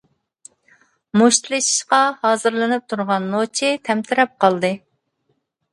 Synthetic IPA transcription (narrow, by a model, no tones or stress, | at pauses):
moʃt̪ʰlˠɨʃi̥ʃqɑhɑːzɨɾlˠɨnɨp̚t̪ʰuɾʁɑnːot͡ʃʰɪt̪ʰɛmt̪ʰɪɾɛp̚qʰɑlˠd̪ɨ